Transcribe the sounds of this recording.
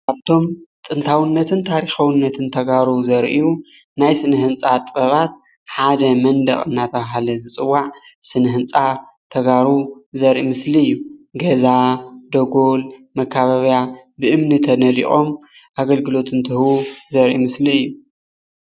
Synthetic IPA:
kaβt̪ʰo̞mt̪ʼɨnt̪ʰawɨnːɐt̪ʰɨnt̪ʰaɾixawɨnːɐt̪ʰɨnt̪ʰɐɡaɾuzɐɾʔiju | najsɨnɨɦɨnt͡sʼat̪ʼbɐβat̪̚ | ħad̪ɐmɐnd̪ɐ̰χʼɨnːat̪ʰɐβaɦalɐzɨt͡sʼɨwːaʕsɨnɨɦɨnt͡sʼa | t̪ʰɐɡaɾuzɐɾʔimɨsliɨjːuɡɐzad̪ɐɡolmɐkʰːaβɐβjabɨʔɨmnɨt̪ʰɐnɐlḭχʼo̞m | ʔaɡɐlɡɨlo̞t̪ʰɨnt̪ʰɨhuzɐɾʔḭmɨsliɨjːu

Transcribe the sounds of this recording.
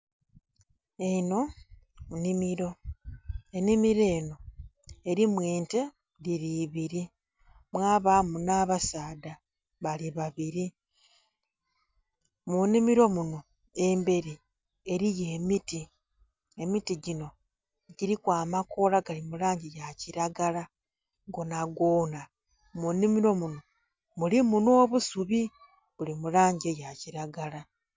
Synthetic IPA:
eno̞munimiɾo̞ | enimiɾe̞ːno̞e̞ɾimweːnte | diɾiβiɾi | mwaːβamunaːβasaːda | βaliβaβiɾi | munimiɾo̞muno̞ | e̞mbe̞ɾi | e̞ɾije̞ːmiti | e̞mitiɟino̞ | ɟiɾikwaːmakolaɡalimulaːɲɟejaciɾaɡala | ɡonaɡoːna | munimiɾo̞muno̞ | mulimuno̞ːβusuβi | βulimulaːɲɟejaciɾaɡala

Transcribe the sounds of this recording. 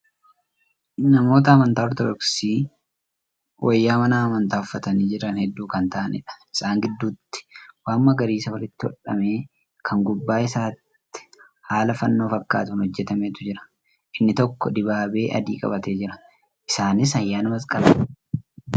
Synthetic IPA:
nɐmo̞ːt̪ɐːmɐnt̪aːɔɾt̪ɔd̪ɔksiː | wʔɐjːaːmɐnaːmɐnt̪aːʊfːɐt̪ɐniːd͡ʒɪɾɐnhɛd̪ːuːkɐnt̪aʔɐnʔɪ̰ᶑɐ̥ɪ̥saːŋɡɪd̪ːuːt̪ːɪ̥waːmːɐɡɐɾiːsɐwɐlɪt̪ːɪɔ̰ᶑɐ̰me̞ː | kʰɐŋɡʊbːaːɪsaːt̪ːɪ̥ | haːlɐfɐnːo̞ːfɐkːa̰ːt̪ʊnhɔd͡ʒːɛt̪ɐmeːt̪ʊd͡ʒɪɾɐ̥ | ʔɪnːɪt̪ɔkːɔd̪ɪbaːbe̞ːʔɐ̰d̪ḭːkʼɐ̰bɐt̪e̞ːd͡ʒɪɾɐ | ʔɪsaːnɪs̬ɐjːaːnɐmɐskʼɐbɐ

